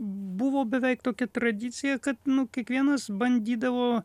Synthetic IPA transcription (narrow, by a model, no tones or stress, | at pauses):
bʊʋoːbʲɛʋʲɛɪkt̪oːkʲɛt̪ɾɐd̪ʲɪt̪sʲɪjɛkɐt̪nʊkʲiɛkʋʲiɛnɐsbɐnʲd̪ʲiːd̪ɐʋoː